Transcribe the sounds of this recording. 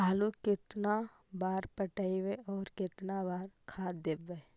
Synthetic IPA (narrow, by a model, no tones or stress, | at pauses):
aːlukɪt̪na | baːɾpəʈaiweɔːɾkɪt̪nabaːɾkʰaːd̪ebe